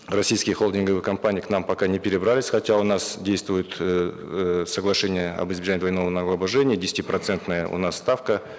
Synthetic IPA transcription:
rɐsʲijskʲɪjəxolˠdʲɪnɡəvɨjkɐmpanʲɪjiknampɐkanʲɪpʲɪɾʲɪbralʲɪsʲxɐtʲaʊnasdʲejst̪vʊjʊt̪ | səɡlˠɐʂɛnʲɪjəɐ̰bɨzbʲɪʐanʲɪːd̪vɐjno̞vənɐɡlˠɐbɐʐɛnʲɪjədʲɪsʲɪt̪ʲipɾɐt̪sɛnt̪nəjəʊ̰nasːt̪afkə

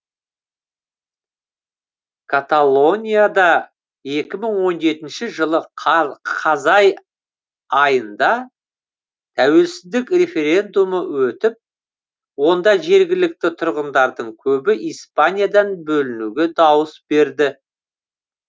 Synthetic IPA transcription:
kʰat̪alˠo̞nʲijad̪ɑ | e̞kʲɪməɴwo̞nʒe̞t̪ɪnʃɪʒəlˠə | qʰɑzɑj | ɑjənd̪ɑ | t̪ʰæwe̞lsɪzd̪ɪkre̞fe̞ɾʲe̞nd̪uməwɵt̪ɪp̚ | wo̞nd̪ɑʒe̞ɾɡʲɪlɪk̚t̪ɪt̪ʰʊɾʁənd̪ɑɾd̪əɴkʲʰɵbɪʔijspanʲijad̪ɑnbɵlɪnuɡʲe̞d̪ɑwəsbe̞ɾd̪ɪ

